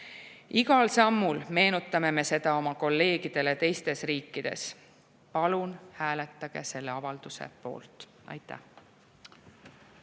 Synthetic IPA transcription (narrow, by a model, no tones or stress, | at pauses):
iɡɑlsɑmːulme̞ːnut̪ˑːɑme̞me̞se̞d̪̥ɑo̞mɑko̞lːe̞ːɡ̥id̪̥e̞le̞t̪e̞jst̪e̞sriːkːˑid̪̥e̞̰s | pɑlunhæːlet̪ˑːɑɡ̥e̞̰se̞lːe̞ɑvɑld̪̥usḛpo̞̰ːlt̪ˑ | ɑ̰jt̪ːˑæ̰h